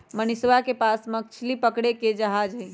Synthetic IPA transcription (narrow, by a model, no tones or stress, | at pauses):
məniswakepasmək̚t͡ʃʰilipəkɽeked͡ʒəɦad͡ʒɦəɪ